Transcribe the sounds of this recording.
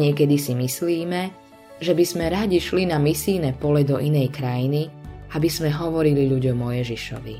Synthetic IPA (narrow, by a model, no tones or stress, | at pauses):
ɲɪɛkɛd̪isimisliːmɛ | ʒɛbizmɛɾaɟiʃlinamisiːnɛpɔlɛd̪ɔʔinɛjkɾajiniabizmɛɦɔʋɔɾiliʎuɟɔmːɔjɛʒiʃɔ̰ʋḭ